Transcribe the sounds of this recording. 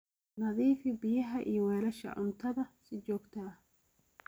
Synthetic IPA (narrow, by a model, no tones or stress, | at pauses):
nɐðiːfɪbɪjɐɦɐʔijɔwɛːɾɐʃɐ̰ʕʊ̰nt̪ʰɐðɐsɪd͡ʒɔːɡt̪ʰɐ